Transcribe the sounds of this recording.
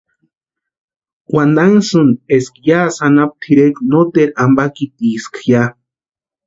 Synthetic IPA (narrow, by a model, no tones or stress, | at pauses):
wand̪aŋsuneskjasanap̚t̪ʰiɾeknot̪eɾambakit̪iskja